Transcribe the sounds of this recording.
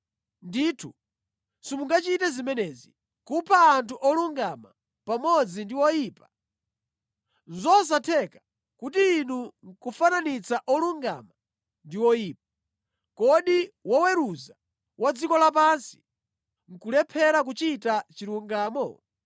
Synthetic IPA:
ndiːtʰu | simuŋɡat͡ʃitɛzimɛnɛzi | kupʰaːntʰuʔɔluŋɡama | pamɔd͡zindiwɔjiːpa | nzɔs̬atʰɛka | kutiːnuŋ̩kufananit͡saʔɔluŋɡa̰ma | ndiwɔjiːp̚a | kɔɗiwɔwɛɾuza | wad͡zikɔlap̬ansi̥ | ŋ̩kulɛpʰɛɾak̬ut͡ʃitat͡ʃiluŋɡaːmɔ̰

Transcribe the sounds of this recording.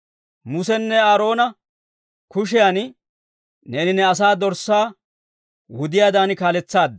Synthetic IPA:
mʊsɛnːɛaːɾo̞ːnɐ | kʊʃ̬ɛjaːn | neːnɪnɛɐs̬aːd̪ɔɾsːaː | wʊd̪ɪjaːd̪aːnkaːlɛt͡sːaːd̪ːɐ

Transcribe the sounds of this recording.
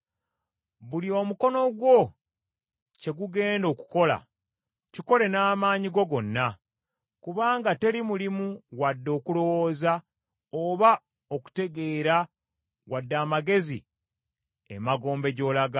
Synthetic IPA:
βuliomuko̞no̞ɡwo̞ | ce̞ɡuɡe̞ːndo̞ːku̥ko̞la̰ | ciko̞le̞naːmaːɲiɡo̞ɡo̞nːa | kuβaːŋɡate̞limulimuwadːo̞ːkulo̞wo̞ːza | oβa | o̞ku̥te̞ɡe̞ːɾa | wadːaːmaɡe̞zḭ | ḛmaɡo̞ːmbe̞ɟo̞ːlaɡa

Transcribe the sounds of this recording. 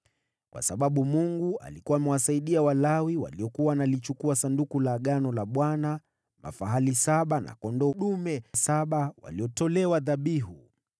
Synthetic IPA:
kwʔa̰saɓaɓumuŋɡua̰likuaːmɛwasaiɗiawalawiwa̰liɔkuwanalit͡ʃukuasandukulaɠanɔlaɓwana | ma̰faɦalisaɓana̰kɔndɔɗumɛsaɓawa̰liɔtɔlɛwaðaɓiɦu

